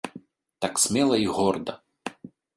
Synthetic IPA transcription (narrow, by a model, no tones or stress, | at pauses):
t̪aksʲmʲɛlˠɐiɣɔrd̪ɐ